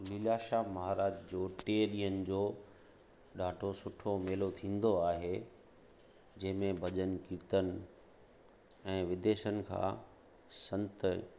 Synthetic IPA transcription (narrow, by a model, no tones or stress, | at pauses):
miljaːʃamɐɦaːɾaːd͡ʑd͡ʑoːʈeɗĩːənɪ̆d͡ʑoː | ɗaːʈʰosʊʈʰomeːlot̪ʰĩːn̆d̪oaːɦe | d͡ʑɐ̃ɦɪ̃mẽbʱɐd͡ʑənkiːt̪ənɪ̆ | ɛ̃ːʋɪd̪eːʃənɪ̆kʰã̰ː | sɐ̃nt̪